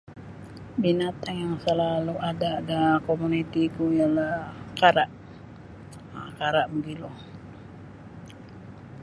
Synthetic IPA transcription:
binat̪aŋjaŋsəlaluʔadaːdakomunit̪ikuijalahkaɾaʔ | kaɾaʔbəɡilɔh

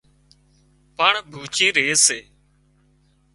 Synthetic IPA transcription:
paːɳbʱuːt͡ʃiːɾeːseː

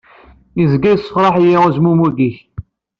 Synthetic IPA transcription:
izɡæjsːəfɾˤɑħjiʁəzmumuɡiç

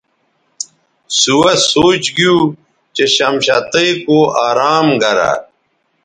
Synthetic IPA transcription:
suwɐsoːt͡ɕɡiu | t͡ɕeɕɐmɕat̪ɐjkoaːɾaːmɡɐɾa̰

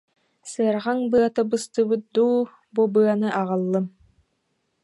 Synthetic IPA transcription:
sɯaɾʁaŋbɯat̪ɯbɯst̪ɯbɯt̪̚d̪uː | bubɯanɯʔaʁɯlˠːɯm

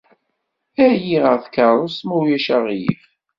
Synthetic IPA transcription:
æjiʁəʁθkːɑˤɾˤosmujæʃæʁjḭf

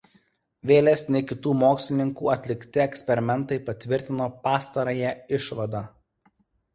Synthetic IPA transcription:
ʋʲeːlʲɛːsnʲɛɪkʲɪt̪uːmoːksʲlʲɪnʲɪŋkṵːɐt̪ʲlʲɪkt̪ʲɪɛksʲpʲɛɾʲɪmʲɛnt̪ɐɪpɐt̪ʲʋʲɪɾʲt̪ʲɪnoːpɑːst̪ɐɾɐjɛɪʃʋɐd̪ɑ

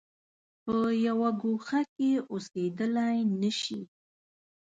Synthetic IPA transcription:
pəjawaɡuxakeosed̪əlajnəʃi

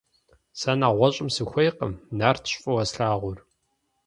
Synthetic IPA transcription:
sɐnaːʁʷɔɕʼɪmsɨxʷejqə̰mnaːrtʰɕʼfʼɐwɐsɬaːʁʷʊr

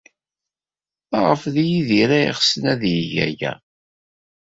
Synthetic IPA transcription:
æʁəfðjiðiɾæḭʁsənæðjəʝæ̰ʝæ̰

